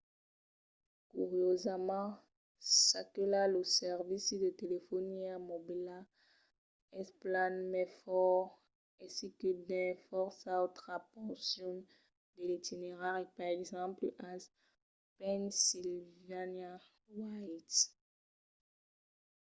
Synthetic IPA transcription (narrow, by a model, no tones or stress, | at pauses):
kuʁjozamɑ̃ | sakɛlaləsɛʁvisd̪ət̪elefɔniamobila | ɛsplanmɛfɔʁ | ɛ̃sikəd̪ɛ̃fɔʁsaot̪χapɔ̃sjɔ̃n | d̪əlit̪ineʁaʁipaʁɛɡzɑ̃plʔas | pɛnsilvana | wajt̪